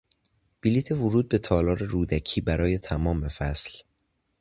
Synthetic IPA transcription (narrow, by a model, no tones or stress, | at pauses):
b̥iliːt̪ʰevʊɾuːd̪̚be̞t̪ʰɒːlɒːɾe̞ɾuːd̪æcʰiːbæɾɒːje̞t̪ʰæmɒːmefæsl